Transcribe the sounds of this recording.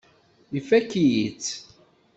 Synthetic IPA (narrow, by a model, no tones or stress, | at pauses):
ifækːijit͡sː